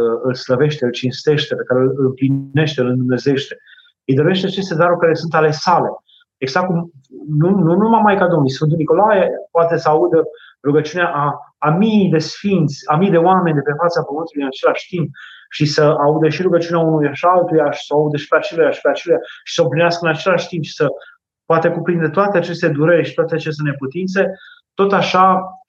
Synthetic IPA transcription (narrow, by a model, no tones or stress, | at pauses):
ɨlsləve̞ʃt̪eɨlt͡ʃinst̪e̞ʃt̪e̞pe̞kaɾelɨmpline̞ʃt̪eɨlɨnd̪umne̞ze̞ʃt̪e̞ | ɨjd̪o̞ɾeʃt̪eat͡ʃe̞st̪e̞d̪aɾurʲkaɾesunt̪ale̞sale̞ | eɡzak̚kumnununumamːajkad̪omijsunt̪uniko̞lajepoat̪e̞səaud̪ə | ɾuɡət͡ʃiuneaʔaːmid̪e̞sfint̪sʲamijd̪e̞oame̞nʲd̪e̞pe̞fat̪sapəmɨnt̪ulujɨnat͡ʃe̞laʃt̪imp̚ʃisəaud̪eʃiɾuɡət͡ʃiunaunujaʃiaalt̪ujaʃi̥səaud̪əʃi̥peat͡ʃelujaʃi̥peat͡ʃelujaʃi̥səoplineaskəɨnat͡ʃe̞laʃt̪impʃi̥sə | poat̪əkupɾind̪e̞t̪oat̪eat͡ʃe̞st̪e̞d̪uɾeɾʲʃi̥t̪oat̪eat͡ʃes̬t̪ene̞put̪int̪se̞ | t̪o̞t̪aʃa